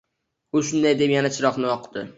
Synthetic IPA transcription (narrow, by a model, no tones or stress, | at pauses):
ʊʃʊnd̪ajd̪epjanat͡ʃʰɪɾɒqnɪɒqʰd̪̥ɪ